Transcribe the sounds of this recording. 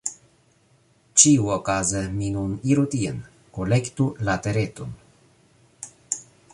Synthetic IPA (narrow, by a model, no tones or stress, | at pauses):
t͡ʃiuokazəminuniɾut̪iən | kolekt̪ulat̪eɾet̪un